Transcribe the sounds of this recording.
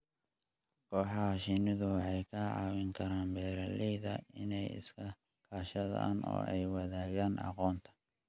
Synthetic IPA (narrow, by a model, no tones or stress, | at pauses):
kʰɔːħɑɦɐʃɪnɪðʊwɑħɑjkʰɐʕɑ̰ːwɪŋkʰɐɾaːnbɛːɾɐlɛjðɐɪnɛjɪ̰skʰɐ | kʰaːʃɐðɐ̰ʔa̰ːnɔ̰ːɛjwɐðaːɣaːnɑ̰qɔːnt̪ʰɐ̥